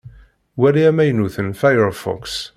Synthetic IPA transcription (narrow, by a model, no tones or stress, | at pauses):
wæliæmæjnuθənfajəɾfɔ̰ks